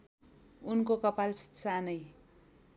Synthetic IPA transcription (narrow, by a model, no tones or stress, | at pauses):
unkokʌpalssanʌj